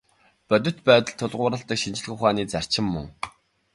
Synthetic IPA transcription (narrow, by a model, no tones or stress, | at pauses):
pœt̪̬ʲɵ̆t̪pæːt̪ə̆ɮt̪ʰːʊɮʁʊːɾə̆ɬt̪ə̆kʃint͡ɕɪ̆ɮɘ̆xʊχaːniːt͡sar̥t͡ɕɪ̆mːɵ̰ŋ